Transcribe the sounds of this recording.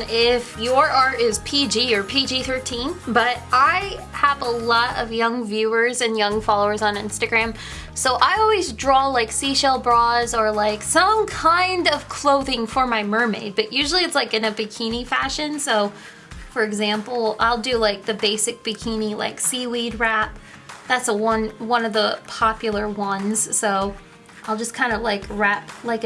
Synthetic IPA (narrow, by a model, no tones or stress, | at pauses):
ɪfjə˞ʔɑɹɾɪz̥pʰid͡ʒijə˞pʰid͡ʒiθɜ˞tʰĩnbʌɾʔaɪ | əvəlɔɾʌ̰vjʌ̃ŋvjʉə˞zɨ̃njʌ̃ŋfɑlˠoʊə˞zn̩ɪ̰̃nstɨɡɹæ̃m | soʊʔaɪɔlˠwizdɹɔlaɪksiʃɛlˠbɹɔzə˞laɪksʌ̃mkʰãɪ̃ndʌv̥kʰl̥oʊðɪ̃ŋfə˞maɪmɜ˞mḛɪd̚b̥ʌʔjʉʒl̩ˠiɨtslaɪkɨ̃nɨbɨkʰĩnifæʃɨ̃nsoʊ | fə˞ɨɡzæ̃mpl̩ˠa̰ɪlˠdɨlaɪk̚ðɨbeɪsɨk̚b̥ɨkʰĩnila̰ɪksiwid̚ɹæp̚ | ðætsəwʌ̃nwʌ̃nʌvðəpʰɑpjl̩ˠə˞wʌ̃nz̥soʊ | ʔaɪlˠd͡ʒʌskʰãɪ̃ndəlaɪkʰɹæp̚laɪk